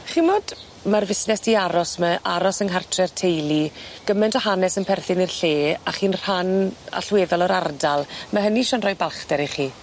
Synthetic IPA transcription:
χimɔd | marvɪsnɛstʰiaɾɔsməʔaɾɔsəŋɦartʰrɛrtʰejlˠiɡ̥əmɛntʰɔhanɛsənpʰɛrθɪnirɬeːa̰χiːnr̥ana̰ɬweːðɔlˠɔɾardalˠmaɦəniʃanrɔjbalˠχd̥ɛɾiχiː

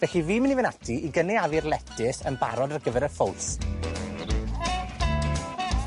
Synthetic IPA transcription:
vɛɬiviːmənivɛnatʰiiɡənɛavɪrlˠɛtʰɪθənba̰ɾɔdarɡəvɛɾərfolˠs

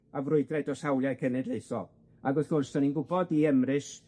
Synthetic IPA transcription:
avrʊɨdrɛdɔsawlˠjakʰənɛdlejθɔ̰ | aɡʊθʊnstɔninɡʊbɔdiɛmrɨs

